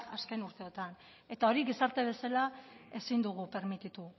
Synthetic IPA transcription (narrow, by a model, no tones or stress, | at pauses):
aske̞nuɾt̪e̞o̞t̪an | e̞t̪ao̞ɾiɣisaɾt̪e̞β̞e̞salae̞sind̪uɣ̞upe̞ɾmit̪it̪u